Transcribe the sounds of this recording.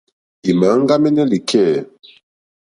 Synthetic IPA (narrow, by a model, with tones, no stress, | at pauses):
i˨ma˨˦ŋ̩˦ɡa˦mɛ˦nɛ˦li˨kʰɛ˦˨